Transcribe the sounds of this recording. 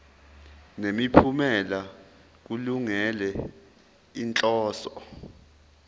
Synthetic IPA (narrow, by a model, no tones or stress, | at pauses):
nemipʰumɛla | k̬uluŋɛlɛ | int͡ɬʼɔːsɔ